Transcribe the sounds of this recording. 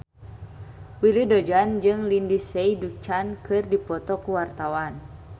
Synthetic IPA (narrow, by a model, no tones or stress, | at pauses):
wilidɔd͡ʒand͡ʒɨŋlindisɛjduk̚t͡ʃankɨrdipɔt̪ɔkuwart̪awan